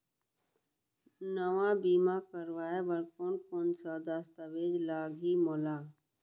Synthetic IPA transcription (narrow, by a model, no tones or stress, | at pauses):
nəʋãːbiːmaːkəɾʋaːeʋəɾkoːnkoːnsaːd̪ast̪aʋeːd͡ʒlaːɡʱiːmoːlaː